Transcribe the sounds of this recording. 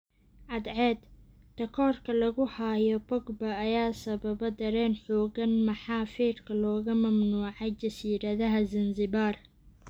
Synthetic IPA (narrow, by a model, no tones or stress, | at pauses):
ʕɑd̪ʕɛːd̪ | t̪ɐkʰɔːrkʰɐlɐɣʊhajɔbɔɡbɐːjaːsɐβɐβɐd̪ɐɾɛːnħɔːɣɐnmɐħɑːfiːrkʰɐlɔːɣɐmɐmnuːʕɑt͡ʃɐsiːɾɐðɐɦɐzɪnzɪβaːr